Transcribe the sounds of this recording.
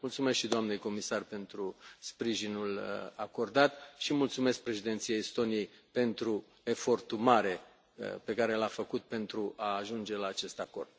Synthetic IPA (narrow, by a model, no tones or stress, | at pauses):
mult̪sume̞skʃid̪oamne̞jko̞misarpe̞nt̪ɾuspɾiʒinulako̞rd̪at̪ʃimult̪sume̞sk̚pɾe̞ʃid̪et̪sijeist̪o̞niejpe̞nt̪ɾu | e̞fo̞rt̪umaɾe̞̰ | pe̞kaɾe̞lafəkut̪̚pe̞nt̪ɾuʔaːʒund͡ʒe̞laːt͡ʃe̞st̪ako̞̰rd̪̥̚